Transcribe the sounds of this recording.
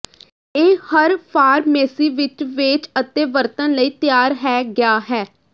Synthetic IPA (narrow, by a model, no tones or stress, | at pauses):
eːhəɾpʰaːɾmɛːsiːʋɪt͡ʃʋɪt͡ʃət̪eːʋəɾt̪ənləiːt̪ɪjaːɾɦɛːɡɪjaːɦɛː